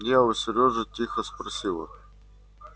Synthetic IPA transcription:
jaʊsʲɪɾʲoʐɨtʲixəspɾɐsʲilˠə̰

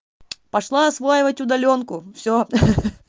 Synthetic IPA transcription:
pɐʂlˠaɐsvojɪvətʲʊd̪ɐlʲo̞nkʊfsʲo

